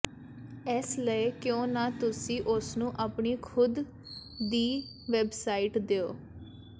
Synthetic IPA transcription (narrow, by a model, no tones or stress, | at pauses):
esləekjõːnãːt̪ʊsĩːʔʊsnũːʔaːpɳiːkʰʊd̪ | d̪iː | ʋɛbsaːiːʈd̪eo̰ː